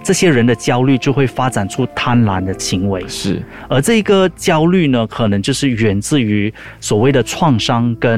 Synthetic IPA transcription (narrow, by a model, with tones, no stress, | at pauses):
ʈ͡ʂɤ˥˩ɕjɛ˥ɻə˧˥nd̪ə˨t͡ɕjɑ˥ʊly˥˩t͡ɕjo˥˧xwe˥˩ɪfa˥ʈ͡ʂa˨˩nʈ͡ʂʰu˥t̪ʰa˥nla˧˥nd̪ə˧ɕʰi˧˥ŋwe˧˥ɪʂɻ̩˥˩ | ə˞˧˥ʈ͡ʂɤ˥˩i˧˥ɡə˧˨t͡ɕjɑ˥ʊly˥˩nə˩kʰɤ˨˩nɤ˧˦ŋt͡ɕjo˥˧ʊʂɻ̩˥˩ɥɛ˧˥nt͡sɹ̩˥˩y˧˥ | swɔ˨˩we˥˩ɪd̪ə˩ʈ͡ʂʰwɑ˥˩ŋʂɑ˥ŋkə˥